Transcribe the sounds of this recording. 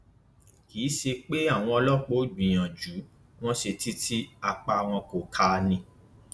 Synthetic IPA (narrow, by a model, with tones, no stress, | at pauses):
kiː˨˦ʃe˧k͡pe˦a˦˨w̃ɔ̃˧ɔ˧lɔ˦˨k͡po˦dĩ˨j̃ã˨d͡ʒu˨˦ | w̃ɔ̃˦ʃe˧ti˦tʰi˦a˧k͡pa˧w̃ɔ̃˧ko˨kʰa˧nĩ˧